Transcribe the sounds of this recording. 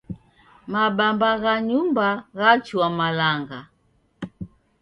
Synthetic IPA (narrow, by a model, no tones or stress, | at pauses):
mabambaɣaɲumbaɣat͡ʃuwamalaŋɡa